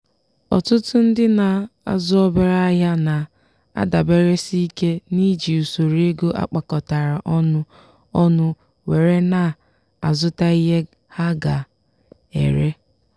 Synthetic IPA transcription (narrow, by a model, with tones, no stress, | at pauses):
ɔ̰˨tʊ˦tʊ˦n̩˦dɪ˦na˨a̰˦zʊ˦ɔ˦bɪ˦ɾa˦a˦ɦja˦na˨ | a̰˦da˨be˦ɾe˦si˦ke˦ni˦d͡ʒi˨u˨so˨ɾe˦ɡo˦ʔa̰˦k͡pa˨kɔ˨ta˨ɾa˨ʔɔ˦nʊ˦ | ɔ˦nʊ˦ | we˨ɾe˦na˨ | a˨zʊ˦ta˦i˦ɦe˦ | ha˦ɡa˨ | ḛ˨ɾe˦